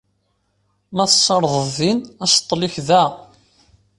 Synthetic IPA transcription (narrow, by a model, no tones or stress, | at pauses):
mæθə̥sˤːɑɾˤðˤəððinæst̪ˤːlɪçðæ